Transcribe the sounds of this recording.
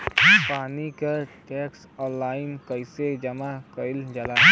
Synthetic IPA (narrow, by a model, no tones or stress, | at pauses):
paːnikaʈɛks | ɔ̃ːnlaːɪnkəɪsed͡ʒəmakəɪld͡ʒəla